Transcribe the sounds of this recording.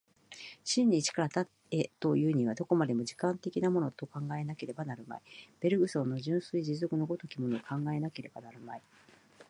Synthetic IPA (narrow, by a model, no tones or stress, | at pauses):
ɕĩɲ̟ːit͡ɕi̥kaɾat̪at̪e̞t̪o̞jɯ̟ːɲ̟iβ̞ad̪o̞ko̞mad̪e̞mo̞d͡ʑikãnt̪e̞kʲinamo̞no̞t̪o̞kãŋɡae̞nake̞ɾe̞banaɾɯ̟ma̰ib̥e̞ɾɯ̟ɡɯ̟sõ̞nːo̞ʑɨ̃ɰ̃sɨid͡ʑizo̞kɯ̟no̞ɡo̞t̪o̞kʲimo̞noːkʰãŋɡae̞nake̞ɾe̞banaɾɯ̟mai